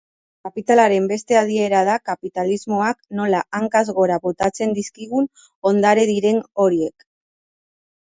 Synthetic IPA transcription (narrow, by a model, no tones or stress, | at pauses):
kapit̪alaɾe̞mbe̞st̪e̞aðie̞ɾað̞akapit̪alizmo̞akno̞laʔaŋkazɣo̞ɾaβo̞t̪at͡se̞nd̪iskiɣ̞un | o̞nd̪aɾeðiɾe̞no̞ɾie̞k